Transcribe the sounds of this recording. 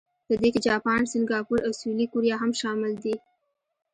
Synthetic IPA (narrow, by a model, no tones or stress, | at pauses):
pəd̪ekɪd͡ʒɑpɑnsɪŋɡɑpuɾawsulikʊɾjɑɦamʃɑmɪld̪i